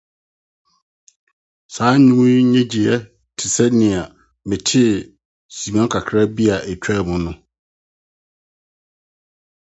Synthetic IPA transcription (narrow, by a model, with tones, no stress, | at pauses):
saː˨˦ɲũ˦wũ˦ɲɛ̃˦d͡ʑi˨ɛ˦ | tʰɪ˨sɛ˦nɪ̃˨a˨ | mɪ̃˨tʰɪ˦˨ | si˨mɔ̃˦kʰa˨kʰɾa˦bi˦a˨ʔæ˨t͡ɕᶣɛ˦˨mʊ̃˨nʊ̃˦